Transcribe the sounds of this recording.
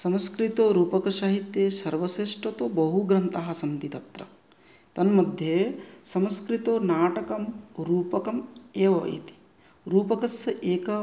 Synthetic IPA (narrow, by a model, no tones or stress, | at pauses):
sɐmskɾit̪oːɾuːpɐkɐʃaːɦit̪jesɐɾʋɐseːʂʈɐt̪obɐɦuɡɾɐnt̪aɦɐ̆sɐmt̪it̪ɐt̪ɾɐ̰ | t̪ɐnmɐd̪ʱjesɐmskɾit̪oːnaːʈɐkɐmɾuːpɐkɐmeːʋɐḭt̪i̥ | ɾuːpɐkɐsɐʔeːkɐ